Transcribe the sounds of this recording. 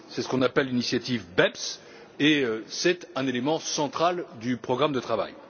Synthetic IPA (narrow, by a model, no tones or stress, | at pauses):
sɛsə̥kɔ̃napɛlːinisjat̪ivbɛps | eøsɛt̪ɛ̃nelemɑ̃sɑ̃t̪χald̪ypχɔɡʁamd̪ət̪χava̰j